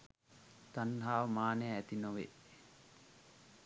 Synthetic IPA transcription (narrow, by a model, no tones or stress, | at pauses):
t̪anɦaːʋmaːneæt̪inoʋe